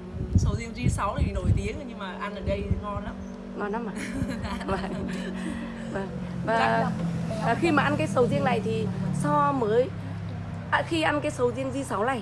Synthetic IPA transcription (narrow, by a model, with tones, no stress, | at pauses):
sə˨˦wzi˧ənzi˧sa˨˦wnaː˨˩i˨˩no˧˩˨jt̪i˨˦əŋ˧ɲɨ˧ŋmaː˨˩ʔa˧nʔəː˨˩ɗə˧jŋɔ˧la˨˦m | ŋɔ˧˩nla˨˦mʔaː˨va˧˨˩ŋ | vaː˨˩ŋvaː˨˩vaː˨˩xi˧maː˨˩ʔa˧nk̬aː˨˦jsə˨˦wzi˧əŋna̰˨˩jt̪ʰi˨˩sɔ˧məː˨˦j | ʔa˧xi˧ʔa˧nkaː˨˦jsə˨˦wzi˧əŋzi˧sa˨˦wla̰˧˨j